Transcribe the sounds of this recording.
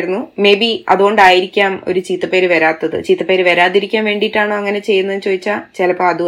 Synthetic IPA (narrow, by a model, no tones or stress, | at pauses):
ɽunːume̞ːbiɐ̰ðuɣo̞ɳɖaːjiɾikʲːaːmo̞̰ɾut͡ɕiːt̪ːɐpe̞ːɾɨʋɐɾaːt̪ːɐðɨ̰t͡ɕiːt̪ːɐpeːɾɨʋɐɾaːt̪ːiɾikʲːaːmʋe̞ːɳɖiʈːaːɳoːɐŋːɐne̞t͡ɕe̞jːunːɐðnt͡ɕo̞ːðit͡ɕːat͡ɕelɐpːoɐðu